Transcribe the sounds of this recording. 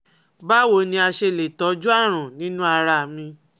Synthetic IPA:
ba˦˨wo˨˦˨nĩ˧a˧ʃe˧˨le˨tɔ˨˦d͡ʒu˦a˦˨ɾ̃ũ˨nĩ˦nũ˦a˧ɾa˧˨mĩ˧

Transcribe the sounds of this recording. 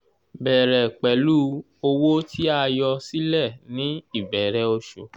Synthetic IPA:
bɛ˨ɾɛ˨k͡pɛ˨lu˦ | o˧wo˦ti˦a˦˧jɔ˧si˦lɛ˦˨nĩ˨˦i˦˨bɛ˨ɾɛ˨˧o˧ʃo˨

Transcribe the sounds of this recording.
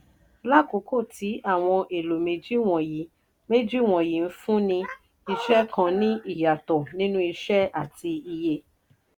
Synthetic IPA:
la˦˨ko˨˦ko˦˨tʰi˨˦ʔa˦˨w̃ɔ̃˧ʔe˨lo˨me˨d͡ʒi˦˨w̃ɔ̃˨ji˨˦ | me˦d͡ʒi˦˨w̃ɔ̃˨ji˨˦n̩˦fũ˦nĩ˧ | i˧ʃɛ˦kã˧nĩ˦i˦˨ja˨tɔ˨nĩ˦nũ˦i˧ʃɛ˦a˦˨ti˧i˧je˧˨

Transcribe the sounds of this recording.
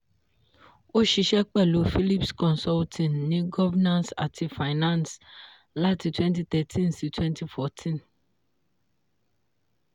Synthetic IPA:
o˦ʃi˨ʃɛ˦k͡pɛ˦˨lo˨fi˦li˦pskʰɔ̃˨nsɔ˦ltʰĩ˨nːĩ˦ɡɔ˦vɛ˦nã˦nsa̰˨tʰi˨fa˨ɪnã˦˨ns | la˦tʰi˨tʰwɛ̃˦nti˦t̪ɛ˨tʰĩ˦nsi˨tʰwɛ̃˦ntʰi˦fɔ˨tʰĩ˦n

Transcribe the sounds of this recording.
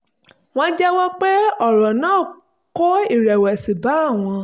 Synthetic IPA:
w̃ɔ̃˦d͡ʒɛ˦wɔ˦k͡pe˦ɔ˦˨ɾɔ˨nãː˦˨ | ko˦i˦˨ɾɛ˨wɛ˨si˨ba˨˦a˦˨w̃ɔ̃˧

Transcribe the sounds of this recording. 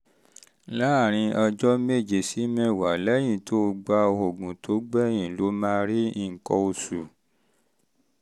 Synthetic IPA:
la˦˨ɾ̃ĩ˧ɔ˧d͡ʒɔ˦me˦˨d͡ʒe˨si˨˦mɛ̃˦˨wa˨lɛ˦j̃ĩ˦˨tʰo˦˧ɡ͡ba˧o˧o˨ɡũ˨tʰo˨˦ɡ͡bɛ˦˨jĩ˨lo˨˦mã˦ɾi˦ĩ˦˨ŋ̩˨kɔ˧o˧su˨

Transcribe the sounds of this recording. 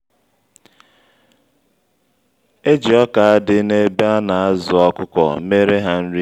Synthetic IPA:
e˦d͡ʒi˨ɔ˦ka˨a˦dɪ˦ne˦ba˦na˨a˦zʊ˨ɔ˦kʊ˦kɔ̰˨me˦ɾe˦ɦa˦n̩˦ɾi˦

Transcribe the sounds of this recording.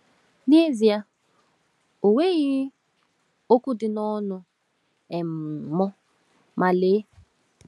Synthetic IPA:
ne˦zi˨ja˦ | o˨we˦ɣɪ˦ | o˦ku˦dɪ˨nɔ˦nʊ˨ | ɛ˨m̩˨mɔ˦ | ma˨leː˦

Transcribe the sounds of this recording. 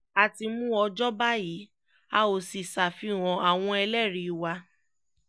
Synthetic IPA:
a˨ti˧mũ˦ɔ˧d͡ʒɔ˦ba˦ji˨˦ | a˦o˧˨si˨sa˨fi˧˦w̃ɔ̃˨a˨w̃ɔ̃˧ɛ˧lɛ˦˨ɾi˨˦˧wa˧

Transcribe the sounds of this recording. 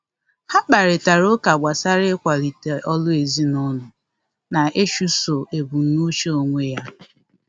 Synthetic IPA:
ha˦k͡pa˨ɾɪ˨ta˨ɾo˦ka˨ɡ͡bʷa˨sa˦ɾɪ˦kʷa˨li˨te˨ʔɔ˦lʊ˦e˨zi˦nɔ˦nʊ˨ | na˨e˦ʃu˦so˨ʔe˨bu˨˦nu˦t͡ʃe˦o˨ŋʷe˦ja˦

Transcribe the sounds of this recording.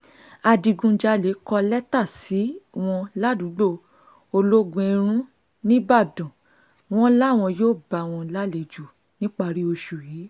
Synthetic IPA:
a˧di˧ɡũ˧d͡ʒa˧le˨˦kɔ˧lɛ˦ta˦˨si˨˦w̃ɔ̃˧la˦dũ˨˦ɡ͡bo˦˧ | o˧lo˦ɡũ˧e˧ɾ̃ũ˦ | nĩ˦ba˦˨dɔ̃˨ | w̃ɔ̃˦la˦˨w̃ɔ̃˧joː˦˨ba˨w̃ɔ̃˧la˦le˨d͡ʒu˨ | nĩ˦k͡pa˧˨ɾi˨˦o˧ʃu˨jiː˨˦

